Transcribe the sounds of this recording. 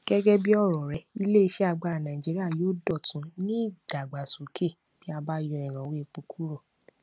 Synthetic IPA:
ɡ̥ɛ˦ɡɛ˦bi˦ɔ˦˨ɾɔ˨ɾɛ˧˦i˧le˦i˧ʃe˦a˧ɡ͡ba˧ɾa˨nã˨d͡ʒi˨˦ɾi˦a˦˨joː˦dɔ˦˨tũ˨˦nĩ˦ɡ̥a˨ɡ͡ba˨su˨˦kʰe˦˨ | b̥i˦a˧ba˦jɔ˧ɛ˨ɾ̃ã˨˦we˦e˧k͡pu˧kʰu˦ɾɔ˦˨

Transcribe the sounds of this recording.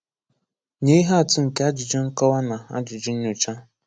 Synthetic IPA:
ɲe˦i˦ɦa˦a˨tʊ˦ŋ̩˨ke˦a˦d͡ʒɪ˨d͡ʒɪ˦ŋ̩˦kɔ˦wa˦na˨a̰˦d͡ʒɪ˨d͡ʒɪ˦n̩˦ɲʊ˨t͡ʃa˦

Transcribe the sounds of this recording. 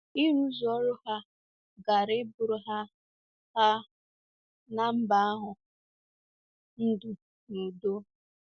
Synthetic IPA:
i˦ɾu˦zɔ˦ɾʊ˦ha˦ | ɡa˨ɾɪ˦bʊ˨ɾʊ˨ɦa˦ | ha˦ | na˨m̩˦ba˦a˦ɦʊ˨ | n̩˦du˨ | nu˨do˦

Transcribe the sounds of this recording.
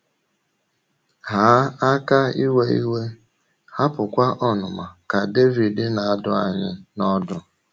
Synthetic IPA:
ha˨˦a˦ka˦i˦we˦i˦we˦ | ha˦pʊ˨kʷa˦ʔɔ˦nʊ˨ma˨ka˨de˦vi˨dɪ˦na˨a˦dʊ˦a˨ɲɪ˦nɔ˦dʊ˨

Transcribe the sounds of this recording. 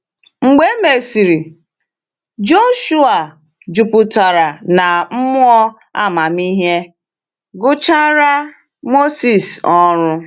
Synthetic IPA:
ŋ͡m̩˨ɡ͡be˦me˨si˨ɾi˨ | d͡ʒo˦ʃu˦a˨ | d͡ʒu˨pʊ˨ta˨ɾa˨na˨m̩˦mʊ˦ɔ˦ | a̰˦ma˨mi˦ɦe˦ | ɡʊ˦t͡ʃa˦ɾa˦ | mo˦si˨sɔ˦ɾʊ˦

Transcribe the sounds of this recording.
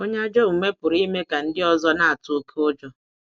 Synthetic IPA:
o˦ɲe˦a˦d͡ʒɔ˦u˨me˦pʊ˨ɾi˦me˦ka˨n̩˦dɪ˦ɔ˦zɔ˦na˦a˨tʊ˦kʰo˦d͡ʒɔ˦

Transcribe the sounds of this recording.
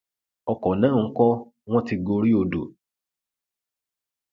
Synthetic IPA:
ɔ˧kɔ˨nãː˨˦˨ŋ̩˦kɔ˦ | w̃ɔ̃˦ti˧ɡo˧ɾi˦o˧do˨

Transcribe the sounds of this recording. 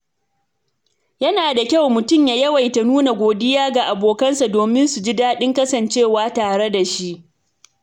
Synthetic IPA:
jɐ˦naː˨da˨kʲa˦wmʊ˨tʊ˦˨mjaː˨jɐ˦wa˨jta˨nuː˦na˨ɡʷoː˨dɪ˦jaː˦ɡa˨ʔa˨boː˨kɐ˦nsa˨doː˨mɪ˦nsu˨d͡ʒi˦daː˦ɗɪ˦ŋkɐ˦sɐ˨nt͡ʃeː˦˨waː˦taː˨ɽe˦da˨ʃi˦ʔ

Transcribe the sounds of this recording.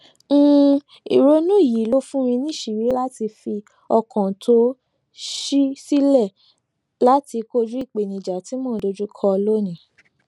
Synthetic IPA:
ŋ̩˦ | i˨ɾo˦nũ˦˨ji˨˦lo˦fũ˦ɾ̃ĩ˧nĩ˦˨ʃi˨ɾi˨˦la˦ti˧fi˧ | ɔ˧kɔ̃˨tʰo˦ | ʃi˦si˦lɛ˦˨ | la˦ti˧ko˦d͡ʒu˦i˦˨k͡pe˨nĩ˨d͡ʒa˨ti˨˦mɔ̃˦˨do˧˦d͡ʒu˦kʰɔ˧lo˦nĩ˨˦

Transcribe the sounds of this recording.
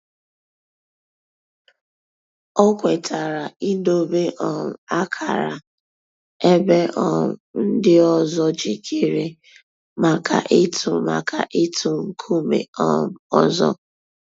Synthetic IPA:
ɔ˦kʷe˨tʰa˨ɾa˨i˦do˦be˦ʔɔ˨m̩˨a˦kʰa˨ɾa̰˨ | e˦be˦ʔɔ˨n̩˦dɪ˦ɔ˨zɔ˦d͡ʒi˨kʰi˦ɾi˦˨ | ma˨ka̰˨ʔe˦tu˨ma̰˨kʰa̰˨ʔi˦tʰu˨ŋ̩˦kʰu˦mḛ˨ɔ˦m̩˨ɔ˦zɔ̰˦

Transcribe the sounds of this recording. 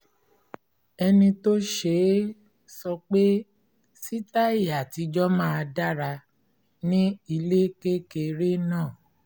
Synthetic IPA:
ɛ˧nĩ˧to˦ʃe˧˦ | sɔ˧k͡pe˦ | si˦ta˦i˨ja˨ti˨˧˦d͡ʒɔ˦mãː˦a˧da˦ɾa˧ | nĩ˦i˧le˦ke˦ke˧ɾe˦nãː˦˨

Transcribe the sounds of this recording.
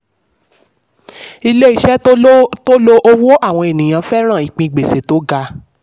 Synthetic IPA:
i˧le˦i˦ʃɛ˦to˦lo˧ʔo˧wo˦a˦˨w̃ɔ̃˧e˨nĩ˨j̃ã˨˧fɛ˦ɾ̃ã˦˨i˨k͡pĩ˧i˨ɡ͡be˨se˨˦to˨˦ɡa˧

